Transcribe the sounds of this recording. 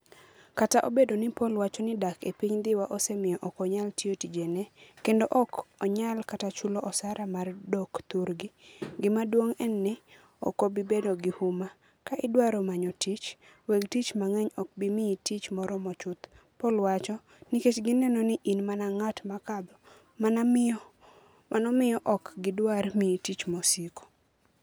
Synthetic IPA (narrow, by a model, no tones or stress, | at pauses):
kataʔobedonɪpɔlwat͡ʃɔnɪdakepiɲd̪ɪwaʔɔsemɪɔʔɔkɔɲaltiotid͡ʒenɛkendoʔɔkɔɲalkatat͡ʃuloʔɔsaɾamardɔkt̪uɾɡiɡɪmadwoŋɛnːɛ | ɔ̰kobibedoɡɪhuma | kaʔɪdwaɾomaɲɔtit͡ʃ | weɡtit͡ʃmaŋɛɲɔk̚bimiitit͡ʃmɔɾɔmɔt͡ʃʊt̪ | pɔlwat͡ʃɔ | niket͡ʃɡɪnɛnonɪʔinmanaŋatmakad̪ɔ | mana | mʔanɔmɪjɔʔɔkɡɪdwarmitit͡ʃmɔsiko̥